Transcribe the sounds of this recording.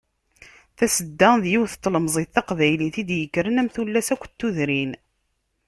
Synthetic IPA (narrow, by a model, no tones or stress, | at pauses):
θæsəd̪ːæðjiwθt̪ːləmzˤiθɑqvæjliθid̪jəkːɾənæmθulːæsækʷːt̪ːuðɾin